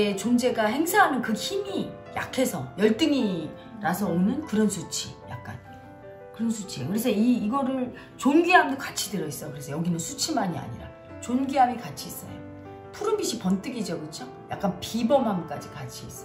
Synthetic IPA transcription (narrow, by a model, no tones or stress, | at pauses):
et͡ɕond͡ʑe̞ɡahe̞ŋsʰaɦanɯnkɯçimi | ja̰kʰe̞sʰʌjʌɭt͈ɯŋi | ɾasʰʌonɯnkɯɾʌnsʰut͡ɕʰija̰k̚k͈a̰n | kɯɾʌnsʰut͡ɕʰiekɯɾe̞s̬ʰʌiːɡʌɾɯɭ | t͡ɕonɡiɦamdokat͡ɕʰidɯɾʌis͈ʌjokɯɾe̞sʰʌjʌɡinɯnsʰut͡ɕʰimaɲia̰ɲḭɾa̰ | t͡ɕonɡiɦamikat͡ɕʰiːs͈ʌnḛjo | tʰuɾumbiɕʰipʌnt͈ɯɡid͡ʑʌkɯt͡ɕʰo | ja̰k̚k͈anpibʌmɦamk͈ad͡ʑikat͡ɕʰiis͈